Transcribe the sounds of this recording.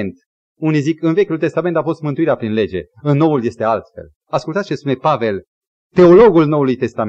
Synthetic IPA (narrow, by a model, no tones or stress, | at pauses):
nt̪ | unijzikɨnve̞kʲult̪e̞st̪ame̞nt̪afo̞st̪mɨnt̪uiɾeapɾinle̞d͡ʒe̞̰ | ɨnnːo̞ulje̞st̪e̞alt̪fe̞̰l | askult̪ast͡ʃespune̞pave̞l | t̪e̞o̞lo̞ɡulno̞wulujt̪e̞st̪am